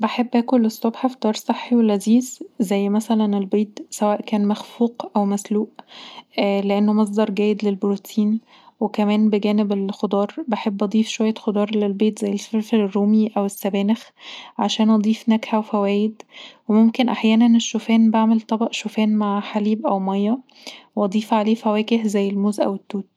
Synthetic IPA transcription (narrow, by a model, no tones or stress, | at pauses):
beħebːʔæːkolːesːobħafid̪̥ɑːɾˤsˤeħːiwelʔæziːzzæjːmæsælænelbiːt̪sæwæːʔkæːnmæxfuːqʔæwmæsluːʔ | leʔenːomɑs̬ˤd̪ˤɑɾˤɡæːjed̪lelbɾut̪ʰiːn | wekæmæːnbeɡæːnebelxod̪ˤɑːɾˤbeħebːʔɑd̪ˤiːfʃowæjːæxod̪ˤɑːɾˤlelbiːt̪zæjːelfeɾfelerːuːmiʔæwesːæbæːnexʕaʃæːnʔɑd̪ˤiːfnækħæwefæwæːjed̪wemomkenʔaħjæːnæneʃːofæːnbaʕmelt̪ˤɑbɑʔʃofæːnmaʕħaliːbʔæwmɑjːɑ | weʔɑd̪ˤiːfʕaleːfæwæːɡehzæjːelmuːzʔæ̰wet̪ːuːt̪̚